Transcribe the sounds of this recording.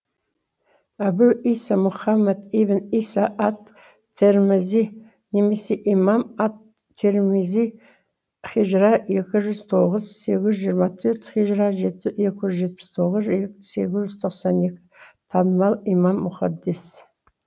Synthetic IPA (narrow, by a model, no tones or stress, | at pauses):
æbuʔisamʊχamːad̪ibɪnisaʔɑt̪ʰː | eɾmɪzi | ne̞me̞se̞ʔimɑmɑt̪ʰː | eɾmizi | χɪʒɾɑje̞kʲɪʒʏzt̪ʰo̞ʁəzse̞ɡʲɪzʒijəɾmɑt̪ʰɵɾt̪χiʒɾɑʒeje̞kʲɪʒʏzʒe̞t̪̚pɪ̥st̪ʰo̞ʁəzse̞ɡʲɪzʒʏzt̪ʰo̞qsɑne̞kʲɪ̥t̪ʰɑnəmɑlˠimɑmːʊχɑd̪ːes